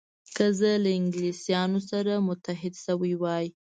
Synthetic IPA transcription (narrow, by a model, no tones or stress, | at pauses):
kəzəlaɪŋɡlisjɑnosaɾamʊt̪aɦɪd̪ʃawəjwɑj